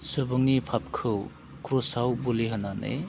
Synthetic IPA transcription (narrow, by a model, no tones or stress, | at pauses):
subɯŋnipʰap̚kʰɯw | kɾɔsawbuliɦɯnanɯ̰j